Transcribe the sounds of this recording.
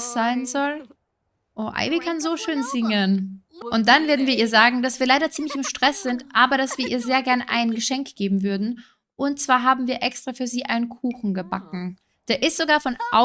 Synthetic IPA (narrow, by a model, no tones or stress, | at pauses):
sz̥aɪnzɔl | ʔoːʔa̰ɪbikʰanzoːʃøːnzɪŋənʔʊnt̚d̥anveːɐdn̩viːɐiːɐzaːɡŋ̩d̥asv̥iːɐlaɪɾɐt͡siːmlɪçɪmʃtʁ̥ɛsz̥ɪntʔaːbɐɾasv̥iːɐʔiːɐzeːɐɡɛɐnəʔa̰ɪnənɡəʃɛŋkɡ̥eːbm̩vʏɐdn̩ | ʔʊnt̚t͡sv̥aːɐɦaːbm̩viːɐʔɛkstʁ̥afyːɐziːʔaɪnənkʰuːxn̩ɡəbakŋ̩ | d̥eːɐʔɪstz̥oɡaːɐfɔnʔa